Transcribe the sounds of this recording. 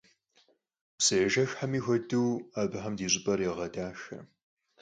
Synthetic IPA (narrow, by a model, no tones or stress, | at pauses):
psɨjɛʒɐxħamiːxʷɐdɨwaːbɨħɐmdiːɕʼɪpʼɐrjɛʁɐdaːʃɐ̰